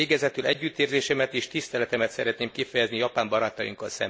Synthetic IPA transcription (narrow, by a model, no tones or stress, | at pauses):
eːɡɛzɛt̪ylɛɟːyt̪ːeːrzeːʃɛmɛt̪iːʃt̪ist̪ɛlɛt̪ɛmɛt̪sɛɾɛt̪neːmkifɛjɛznijɒpaːmbɒɾat̪ɒjḭŋkɒ̰lsɛ̰m